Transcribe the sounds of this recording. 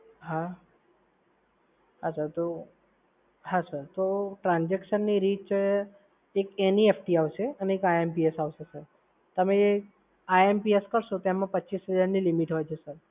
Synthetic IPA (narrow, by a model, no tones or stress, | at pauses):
ɦã | ɦasəɾt̪o | ɦãsəɾt̪oʈɾãnd͡ʒekʃənːiɾit͡ʃ | ekeniefʈiaʋseəneːkaempiesaʋʃesəɾ | t̪əmẽ | aempieskəɾʃõt̪oemãpətːt͡ʃisɦəd͡ʒaɾnilimiʈɦojt͡ʃʰesəɾ